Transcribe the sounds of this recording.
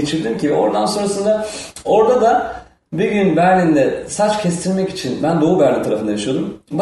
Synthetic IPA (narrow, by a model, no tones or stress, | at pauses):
et͡ʃʰiɾd̪imcibɛo̞̰ɾd̪anso̞nɾasɯnd̪ao̞ɾd̪ad̪a | biɟynbæɾnʲind̪ɛsat͡ʃcʰɛst̪ʰiɾmɛci̥t͡ʃʰinbænd̪o̞ːubæɾnit̪ʰaɾafɯnd̪ajaʃɯjo̞d̪umb